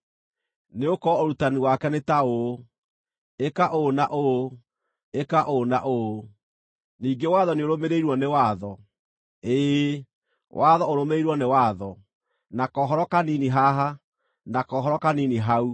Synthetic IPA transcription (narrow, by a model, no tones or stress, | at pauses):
neokɔoɾutaniwakɛnetao | ekaʔonaʔoo | ekaʔona̰ʔo | niːŋɡewaðɔneoɾomeɾeiɾwɔnewaðɔ | e | wʔaðɔoɾomeiɾwɔnewaðɔ | nakɔɦɔɾɔkaniniɦaɦa | nakɔɦɔɾɔkaniniɦau